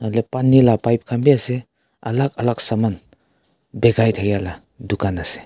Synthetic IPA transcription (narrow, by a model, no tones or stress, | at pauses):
alepanːilapajp̚kʰambiase | ɐ̰lak̚ɐlak̚saman | beɡajtʰajala | dukanase̥